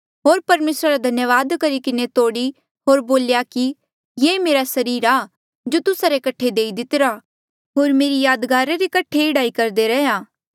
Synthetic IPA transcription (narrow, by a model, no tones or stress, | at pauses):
ɦoːɾpɐɾmeːsɾaɾad̪ʱɐnjəʋaːd̪kɐɾikɪnet̪oːɽi | ɦoːɾboːljaki | jemeːɾasɐɾiːɾaː | d͡ʒoːt̪ʊsaɾekɐʈʰːed̪eːid̪ɪt̪ɪɾa | ɦoːɾmeːɾijaːd̪ɡaːɾeɾekɐʈʰːeɪɽaːikɐɾd̪eɾɛɦjaː